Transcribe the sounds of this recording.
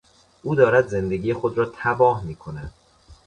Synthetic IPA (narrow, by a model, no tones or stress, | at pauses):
ʔuːd̪ɒːɾæd̪ze̞nd̪e̞ɡiːjexod̪ɾɒːt̪ʰæbɒːhmiːkʰo̞næd̪̥